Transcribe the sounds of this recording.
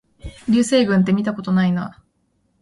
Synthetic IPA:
ɾʲɨːse̞ːɡɯ̃nt̪̬e̞mʲit̪ako̞t̪o̞naina

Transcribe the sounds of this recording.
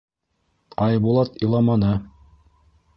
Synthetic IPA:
ɑjbulˠɑt̪ĭlˠɑmɑnɤ

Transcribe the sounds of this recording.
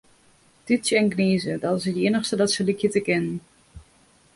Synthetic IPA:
titsjəɛnkniːzədɔtɪs̬əteːnəxstədɔtsəlikjətəkɪnən

